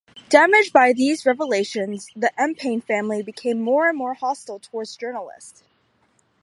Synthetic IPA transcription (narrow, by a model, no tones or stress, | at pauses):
d̥æmɪd͡ʒbaɪðizɹɛvəleɪʃɨ̃nzðiʔɛ̃mpʰẽɪ̃nfæ̃mlibɨkʰẽɪ̃mːɔɹɨ̃nmɔɹhɑstl̩ˠtʰəwɔɹdzd͡ʒɜ˞nl̩ˠɪ̰st